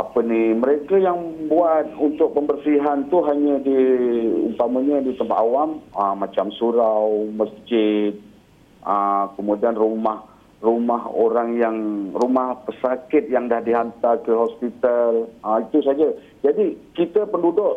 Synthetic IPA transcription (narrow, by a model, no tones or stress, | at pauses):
apəniməɾekajaŋbuat̪̚unt̪ʊk̚pəmbərsiɦant̪uɦaɲədiṵmpaməɲədit̪əmpa̰t̪awaməmat͡ʃamsuɾawməsd͡ʒɪd̪̚ | ʔəkəmudianrumah | rumaɦo̰ɾaŋjaŋrumahpəsakɪt̪̚jaŋdahdiɦant̪arkəɦɔspit̪aləit̪usad͡ʒa | d͡ʒadikit̪əpəndudʊʔ